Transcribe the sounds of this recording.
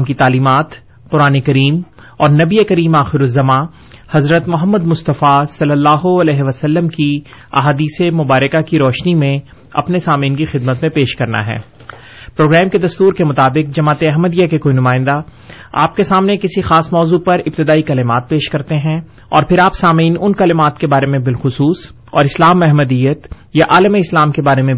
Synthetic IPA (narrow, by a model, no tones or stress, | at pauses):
mkit̪aːliːmaːt̪ | qʊɾaːnekɐɾiːm | ɔːɾnɐbiekɐɾiːmaːxɪɾʊzːɐmã | hɐzɾət̪mʊɦəmːəd̪mʊst̪əfasɐlːəlːaːɦoɐlɛːɦeʋɐsɐlːəmkiɐ̰ɦaːd̪iːsemʊbaːɾɪkakiɾɔːʃnimẽ | ɐ̰pnesaːmĩːnkixɪd̪mət̪mẽpeːʃkɐɾna̰ɦɛ̰ː | pɾoːɡɾɛːmked̪ɐst̪uːɾkemʊt̪aːbɪqd͡ʒɐmaːt̪eɐɦməd̪ijakekoːinʊmaːɪ̃nd̪aa̰ːp̚kesaːmnekɪsixaːsmɔːzupɐɾɪp̚t̪ɪd̪aːikɐlɪmaːt̪̚peːʃkɐɾt̪eɦɛ̃ | ɔːɾpʰɪɾaːpsaːmiːnʊnkɐlɪmaːt̪kebaːɾemẽbɪlxʊsuːs | ɔːɾɪslaːmɛɦməd̪ijət̪ | jaʔaːləmeɪslaːmkebaːɾemẽ